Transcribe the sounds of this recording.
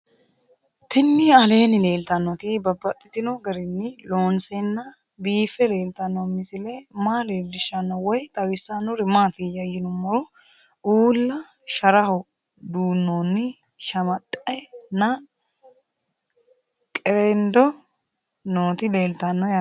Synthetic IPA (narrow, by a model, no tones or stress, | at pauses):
t̪ɪnːɪɐle̞ːnɪle̞ːlt̪ɐnːɔt̪ɪbɐbːɐt̪ʼːɪt̪ɪnɔɡɐɾɪnːɪloːnsɛnːɐ | biːfːɛle̞ːlt̪ɐnːɔmɪsɪlɛmaːleːld̪ɪʃːɐnːɔwɔjt̪ʼɐwɪsːanːɔɾɪmaːt̪ijɐjɪnʊmːɔɾɔ | uːlːɐʃɐɾɐhɔ | d̪uːnːoːnːɪ | ʃɐmɐt̪ʼːɛnɐ | kʼɛɾɛnd̪ɔ | noːt̪ɪle̞ːlt̪ɐnːɔjɐ